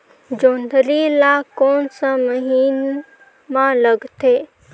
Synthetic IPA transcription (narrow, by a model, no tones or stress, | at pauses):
d͡ʒoːnd̪ʱɾilakoːnsaməɦiːn | mãləɡt̪ʰeː